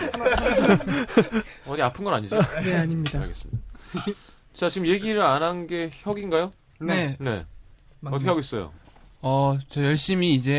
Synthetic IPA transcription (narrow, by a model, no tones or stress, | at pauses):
ʌɾiapʰɯnɡʌnaɲid͡ʑineaɲimɲidaaɭɡe̞s͈ɯmɲḭd̥a | t͡ɕat͡ɕiɡɯmje̞ɡiɾɯɾanɦanɡe̞çʌɡinɡajo | ne̞̰ʌtʰʌkeaɡois͈ʌjo̰ʌt͡ɕʌjʌɭɕ͈imiːd͡ʑe̞